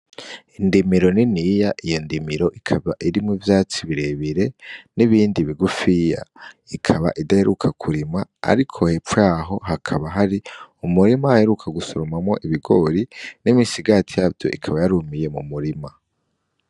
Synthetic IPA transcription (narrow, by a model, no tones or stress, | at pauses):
indimiɾo̞ninijaʔijo̞ndimiɾo̞ʔikʰaβaʔiɾimŋivjaːt͡siβiɾe̞βiɾe̞niβiːndiβiɡufija̰ikʰaβa̰ʔidaheɾukʰakʰuɾimaa̰ɾikʰo̞hefjaːɦo̞ɦakʰaβaɦaɾiumuɾimahe̞ɾukʰaɡusoɾomamŋo̞̰ʔiβiɡo̞ɾinimisiɡatʰijaːvjo̞̰ʔḭkʰaβajaɾumije̞mumuɾima